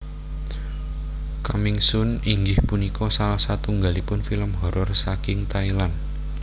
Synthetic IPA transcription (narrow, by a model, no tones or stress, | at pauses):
kamɪŋsʊniŋɡɪhpunikʰɔsalahsat̪uŋɡalipʊnfiləmɦɔɾɔrsakɪŋt̪ailan